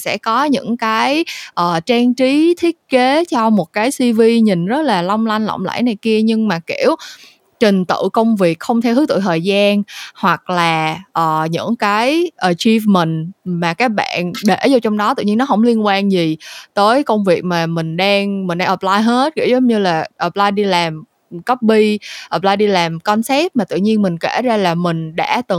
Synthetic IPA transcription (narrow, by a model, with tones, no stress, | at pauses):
sɛ̰˧˥kɔ˨˦ɲɨ̰˧˥ŋkaː˨˦jʔəː˨˩t͡ɕaː˧ŋt͡ɕi˨˦t̪ʰi˦˥ət̚ke˨˦t͡ɕɔ˧mo˨˩t̚kaː˨˦jsi˧vi˧ɲï˨˩ŋ̟zə˦˥t̚laː˨˩lɔ˧wŋ͡mla˧jŋ̟lɔ̰˧˨wŋ͡mla̰˧˥jna˨˩jki˧əɲɨ˧ŋmaː˨˩kḭ˧˩əw | t͡ɕï˨˩ŋ̟t̪ɨ̰˧˨kə˧wŋ͡mvi˨˩ək̚xə˧wŋ͡mt̪ʰe˧whɨ˨˦˥t̪ɨ̰˧˨jt̪ʰəː˨˩jzaː˧nhwa˨˩k̚laː˨˩ʔəː˨˩ɲɨ̰˧˥ŋkaː˨˦jʔəː˨˩t͡ɕi˧fmï˨˩ŋ̟maː˨˩kaː˦˥k̚ɓa̰ː˧˨nɗe˧˩zɔ˧wt͡ɕɔ˧wŋ͡mɗɔ˨˦t̪ɨ̰˧˨ɲi˧nɔ˨˦ɦə˧˩wŋ͡mli˧ənkwaː˧nzi˨˩t̪əː˨˦jkə˧wŋ͡mvi˨˩ək̚maː˨˩mï˨˩ŋ̟ɗaː˧ŋmi˨˩ŋ̟ɗaː˧ʔəː˨˩laː˧jɦe˦˥t̚kḭ˧˩˥wzə˨˦wŋ͡mɲɨ˧laː˨˩ʔəː˨˩p̚laː˧jɗi˧laː˨˩m | kə˦˥p̚ɓi˧ʔəː˨˩p̚laː˧jɗi˧laː˨˩mkɔ˧nsɛ˦˥p̚maː˨˩t̪ɨ̰˧˨ɲi˧ənmï˨˩ŋ̟kḛ˧˩zaː˧laː˨˩mï˨˩ŋ̟ɗa̰ː˧˥t̪ɨ˨˩